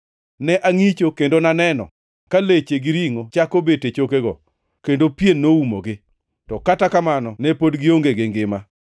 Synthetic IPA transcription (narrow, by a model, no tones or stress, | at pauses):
nɛʔaŋit͡ʃokendonanɛnɔ̰ | kalet͡ʃeɡɪɾiŋot͡ʃakobetet͡ʃokeɡɔ̰ | kendopjenːoumo̰ɡɪ | tɔkatakamanɔnɛpodɡɪoŋɡeɡɪŋɡɪma